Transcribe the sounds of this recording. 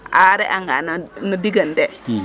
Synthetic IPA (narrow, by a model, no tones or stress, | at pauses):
aɾɛʔaŋɡannudiɡande